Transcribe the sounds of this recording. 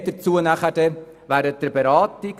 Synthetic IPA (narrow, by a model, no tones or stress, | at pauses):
d̥əɾt͡suənæχəd̥ɛ | ʋæːɾəd̥̪əɾbeɾɑːt̪ɪk